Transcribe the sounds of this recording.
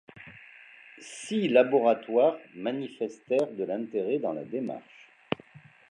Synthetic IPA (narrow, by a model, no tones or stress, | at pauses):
silabɔʁat̪waːʁmanifɛst̪ɛʁd̪əlɛ̃t̪eʁɛd̪ɑ̃la̰d̪ema̰ʁʃ